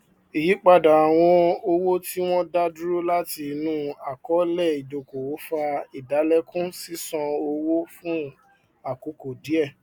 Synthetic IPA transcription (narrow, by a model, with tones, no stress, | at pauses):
i˨ji˨˦k͡pa˧da˨a˨w̃ɔ̃˧o˧wo˦ti˦w̃ɔ̃˦da˦du˦ɾo˦la˦ti˧nũ˦a˨kɔ˨˦lɛ˦˨i˨do˨ko˨wo˨˦fa˧i˨da˨˦lɛ˦kũ˦si˦sɔ̃˧o˧wo˦fũ˦ | a˦˨ko˨˧˦ko˨di˨˦ɛ˦˨